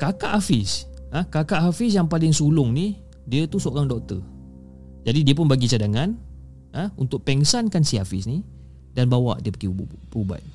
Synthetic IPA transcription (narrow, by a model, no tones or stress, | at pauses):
kakaʔafɪsəkakaʔɦafɪs̬jaŋpalɪŋsulʊŋni | diət̪usəoɾaŋdɔk̚t̪ə | d͡ʒadidiəpʊnbaɡisadaŋan | əunt̪ʊk̚pɛŋsankansiafɪsni | danbawa̰ʔdiəpəkipəuba̰t̪̚